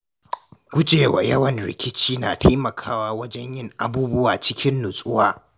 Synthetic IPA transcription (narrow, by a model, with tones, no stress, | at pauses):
ɡʷʊ˦d͡ʒeː˨wa̰˨jɐ˦wɐ˨nɾɪ̰˨kʲɪ˦t͡ʃiː˦naː˨tʰa˦jmɐ˨kʰaː˦waː˦wɐ˦d͡ʒɛ˦ɲjɪ˦˨ŋʔa˦buː˦bʊ˦waː˨t͡ʃɪ˦kʲɪ˦nːʊ˨sʼʊ˦waː˦˨